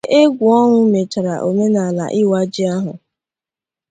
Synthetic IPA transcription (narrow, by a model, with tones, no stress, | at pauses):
ʔe˦ɡʷʊ˨ɔ˦ŋʊ˦me˨t͡ʃa˨ɾa̰˨ʔo˨me˦na˨la̰˨ʔɪ˦wa˦d͡ʒi˦a˦ɦʊ̰˨